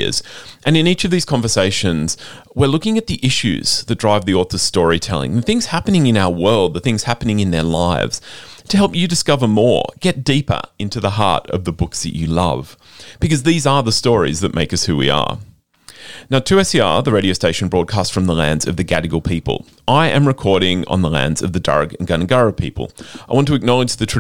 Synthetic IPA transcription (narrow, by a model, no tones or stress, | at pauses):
ɨ̰z̥ʔɨ̃nɨ̃nit͡ʃʌvðiz̥kʰɑ̃ɱvə˞seɪʃɨ̃nz̥ | wɪɹlʊkɪ̃ŋɨt̪̚ðiʔɪʃʉ̰z̥ðɨt̚d̥ɹaɪvðiɔɹθəsstɔɹitʰɛlˠɪ̰̃ŋðɨθɪ̃ŋz̥hæpɨnɪ̃ŋɨ̃naʊə˞wɜ˞lˠd̪̚ðəθɪ̃ŋz̥hæpɨnɪ̃ŋɨ̃nðə˞laɪvz̥tʰɨɦɛlˠpjɨdɨskʌvə˞mɔ̰ɹɡ̥ɛt̚d̥ipə̰˞ɪ̃ntʉðəɦɑ̰ɹɾʌ̰vðəbʊksðɨ̰t͡ʃɨlʌ̰v̥ | b̥ɨkʌzðizə˞ðəstɔɹḭzðɨʔ̚mʔeɪkʌshʉwḭə̰˞ | naʊtʰɨɛsiɑ̰ɹðəɹeɪɾioʊsteɪʃn̩bɹɔd̚kʰæstfɹʌ̃mðəlæ̃ndzʌvðɨɡæɾɨɡl̩ˠpʰipə̰l̩ˠ | ʔaɪʔɨ̰̃mɹɨkʰɔɹɾɪ̃ŋə̰̃nðəlæ̰̃ndzʌ̰vðɨdɑ̰ɹɡɨ̃n̩ɡʌ̃nɨɡɑɹɨpʰḭpə̰l̩ˠaɪwɑ̃ntʰɨɨk̚nɑlˠəd͡ʒðɨtʰ